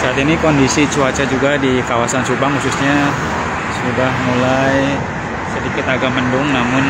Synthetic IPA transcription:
saat̪inikɔndisit͡ʃuat͡ʃad͡ʒuɡadikawasansubaŋhusʊsɲa | sudahmulaj | sədikɪt̪aɡaməndʊŋnamʊn

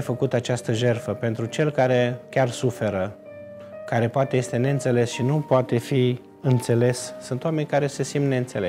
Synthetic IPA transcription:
fəkut̪at͡ʃast̪əʒe̞rfəpe̞nt̪ɾut͡ʃe̞lkaɾe̞kʲarsufe̞ɾə | kaɾe̞poat̪e̞je̞st̪e̞ne̞ɨnt̪se̞le̞sʃinupoat̪e̞fi | ɨnt̪se̞le̞ssunt̪oame̞nʲkaɾe̞se̞simne̞ɨnt̪se̞le

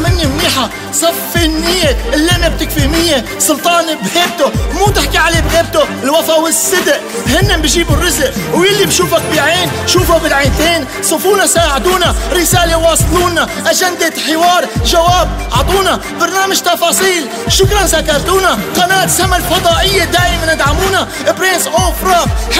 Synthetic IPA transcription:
mɪnːimniːħa | sˤɑfːinːɪjːeɪlːeːnɪb̚t̪ɪkfimɪjːesˤʊlt̪ˤɑːnbheːb̚t̪ʊmuːt̪ɪħkiʕaleːbɣeːb̚t̪ʊlwɑfawɪsːɪd̪ʔ | hɪnːɪbiʒiːbʊrːɪzʔwjɪlːibʃuːfak̚biʕieːn | ʃuːfabɪlʕeːnt̪eːn | sˤufuːnasaːʕɪd̪uːnaɾɪsaːlewɑːsˤluːnːaʔaʒand̪eħɪwɑːɾˤʒawaːb̚ʕɑt̪ˤuːna | bɑɾˤnaːmaʒt̪ɑfɑːsˤiːl | ʃʊkɾˤɑnsakːɑɾˤt̪uːnaqɑnaːt̪samalfɑd̪ˤɑːʔɪjːed̪aːʔɪmanʔad̪ʕamuːna | bɾensʔoːfɾˤɑː

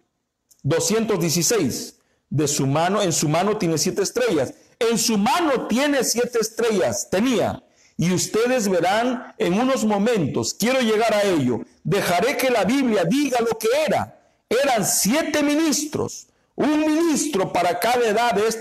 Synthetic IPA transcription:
d̪o̞sje̞nt̪o̞zðjes̬ise̞js | d̪e̞sumanoensumano̞t̪je̞nesjet̪eːst̪ɾe̞ʝas | e̞nsumano̞t̪je̞ne̞sje̞t̪eːst̪ɾe̞ʝast̪e̞nia̰ | iust̪e̞ðe̞zβe̞ɾaneŋuno̞zmõ̞mẽ̞nt̪o̞skje̞ɾo̞ʝe̞ɣaɾaeʎo̞̰ | d̪e̞xaɾe̞ke̞laβiβljaðiɣalo̞ke̞e̞ɾa̰ | eɾansje̞t̪e̞mĩnist̪ɾo̰s | uŋmĩnist̪ɾo̞paɾakaðaeðaees

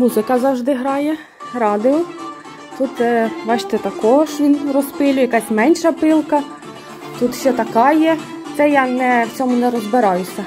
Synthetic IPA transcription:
muzɪkɐzɐwʒd̪ɪɦɾɑjɛ | rɑd̪ɪɔ | t̪ut̪sɛʋɑʃt̪ɪt̪ɐkɔɦɔʃʋʲinrɔspɪlʲʊjɐkɑsʲmɛnʲʃɐpɪlˠkɐ | t̪ut̪sʲɛt̪ɐkɑjɛt̪ɛjɑnɛwt͡sʲɔmʊnɛɾɔzbɪɾɑjʊsʲɐ

